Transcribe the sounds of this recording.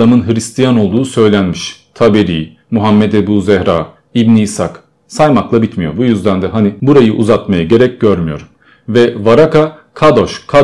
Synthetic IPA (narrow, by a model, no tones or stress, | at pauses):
amɯnɦɯɾist̪ʰijano̞lˠd̪uːsø̞jlʲænmiʃt̪ʰabeɾḭː | muɦamːɛt̪ebuːzɛhɾaː | ibniːsak | sajmaklˠabit̪mijo̞̰bujyzd̪ænd̪ɛɦanibuɾajɯʔuzat̪majaɟe̞ɾɛc̚ɟø̞ɾmyjo̞̰ɾ | vɛvaɾakʰakʰad̪o̞ʃkʰa